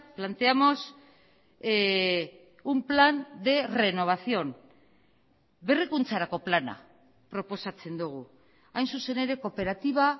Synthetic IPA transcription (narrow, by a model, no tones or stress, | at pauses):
plant̪e̞amo̞s | umpland̪e̞re̞no̞β̞asio̞n | be̞rikunt͡saɾako̞plana̰ | pɾo̞po̞sat͡se̞nd̪uɣ̞u | ajnsuse̞ne̞ɾe̞ko̞pe̞ɾat̪iβ̞a